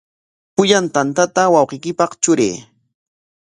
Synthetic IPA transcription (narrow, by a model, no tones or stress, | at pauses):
pʊʎant̪ant̪at̪awɑwqejkɪpɑχt͡ʃʊɾḛː